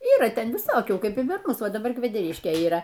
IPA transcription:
ˈiːrɐ ˈtʲɛn ʋʲɪˈsoːkʲuː ˈkɐɪp ɪr pɐr ˈmʊs ˈʋɐ dɐˈbɐr kʋʲɛdʲɛˈrʲɪʃʲkʲeː iːˈrɐ

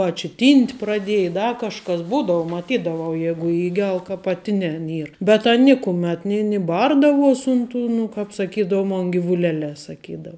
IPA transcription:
ɐ t͡ʃʲɪ ˈtʲiːnʲtʲ prɐˈdʲeːjɪ ɪ ˈdɐ kɐʃˈkɐs ˈbuːdɐʋʊ mɐˈtʲiːdɐʋɐʊ ˈjæːɡʊ ˈiːɡʲɛlˠ kɐ pɐˈtʲɪnʲɛn ˈiːr bʲɛt ˈɐn ˈnʲɪkʊmʲɛt nʲɪ nʲɪ ˈbɐrdɐʋuɔsʲ ˈʊn ˌtʊ nʊ kɑːp sɐˈkʲiːdɐʋʊ ˈmoːn ɡʲɪʋʊˈlʲæːlʲɛː sɐˈkʲiːdɐw

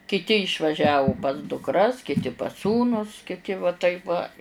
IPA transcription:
kʲɪˈtʲɪ ɪʃʋɐˈʒʲæːʋʊ pɐs dʊkˈrɐs kʲɪˈtʲɪ pɐs ˈsuːnʊs kʲɪˈtʲɪ ʋɐ ˈtɐɪp ʋɐ

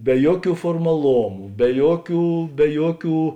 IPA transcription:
bʲɛ ˈjuɔˌkʲuː foːrmɐˈlˠoːmʊ bʲɛ ˈjuɔˌkʲuː bʲɛ ˈjuɔˌkʲuː

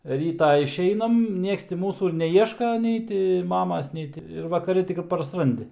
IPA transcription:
ˈrʲiːtɑː ɪʃʲˈɛɪnɐm ˈnʲiɛks tʲɪ ˈmuːsuː ɪr nʲɛˈiɛʃkɐ ˈnʲɛɪ tʲɪ ˈmɑːmɐs ˈnʲɛɪ tʲɪ ɪr ʋɐkɐˈrʲɪ ˈtʲɪk ɪ pɐrsˈrɐnʲdʲɪ

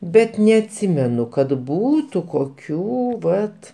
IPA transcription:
ˈbʲɛt nʲɛɐtʲˈsʲɪmʲɛnʊ kɐt ˈbuːtʊ koːˈkʲuː ˈʋɐt

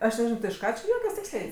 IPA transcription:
ˈɐʃ nʲɛˈʒʲɪnɐʊ tʲɪ ɪʃ ˈkɑː t͡ʃʲɪ ˈjuɔkʲɛs ˈtʲɪksʲlʲɛɪ

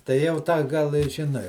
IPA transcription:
tɐɪ ˈjɛʊ ˈtɑː ˈɡɐlˠ ɪ ʒʲɪˈnɐɪ

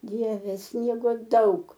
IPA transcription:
ˈdʲiɛʋʲɛ ˈsʲnʲiɛɡoː ˈdɐʊk

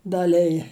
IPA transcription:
dɐˈlʲɪjɛ

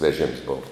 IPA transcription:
ʋʲɛˈʒʲeːms ˈboːʋɐ

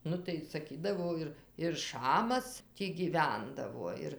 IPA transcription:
ˈnʊ tɐɪ sɐˈkʲiːdɐʋoː ɪr ɪr ˈʃɑːmɐs ˈtʲiː ɡʲiːˈʋʲɛndɐʋoː ˈɪr

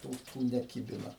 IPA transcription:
ˈtuː tuː nʲɛˈkʲɪbʲɪnɐ

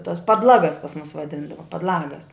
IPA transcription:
tɐs pɐdˈlˠɑːɡɐs pɐs mʊs ʋɐˈdʲɪndɐʋɐ pɐdˈlˠɑːɡɐs

